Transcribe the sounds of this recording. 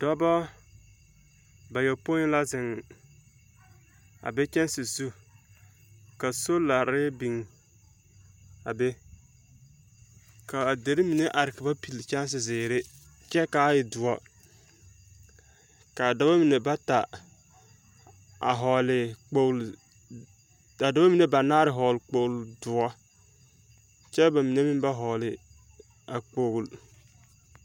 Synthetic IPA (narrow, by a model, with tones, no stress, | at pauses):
d̥ɔ˦bɔ˦ | ba˨jɛ˨po˦la˦zɪ˨ŋ˨ | a̰˨be˦t͡ʃɛ˦n˦sɪ˨zu˦ | ka˨so˦la˨ɾɪ˦bi˨ŋ | a˨be˦ | ka˨de˨ɾi˦mi˨ne˦ʔa˨ɾɪ˨kɪ˨ba˦pi˨lt͡ʃa˦n˦s̬ɪ˨zɪː˨ɾɪ˦ | t͡ʃɛ˦ka˦jɪ˨dʊ˨ɔ˦ | ka˨da˨˦ba˦mi˨ne˨ba˦ta˨ | a˨ɦɔ˨lɪ˨k͡po˦l | a˨da˨˦ba˦mi˨ne˦ba˨naː˦ɾɪ˨ɦɔ˨lk͡po˨wldʊ˨ɔ˦ | t͡ʃɛ˦ba˨mi˨ne˦mi˦n˦ba˦ɦɔ˨lɪ˨ | a˨k͡po˦ɡl